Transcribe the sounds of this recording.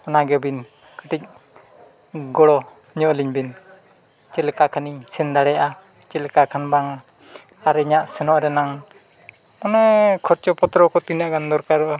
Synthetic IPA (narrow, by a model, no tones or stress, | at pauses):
ɔnaɡɛbin | kaʈic̚ | ɡɔɽɔ | ɲɔʔliɲbin | t͡ʃɛlɛkakʰanisɛnd̪aɽɛʔa | t͡ʃɛlkakʰanbaŋa | aɾɛɲaʔsɛnɔʔɾɛnaŋ | ɔnɛkʰɔt͡ʃɔpɔt̪ɾɔkɔt̪inaɡand̪ɔɾkaɾɔa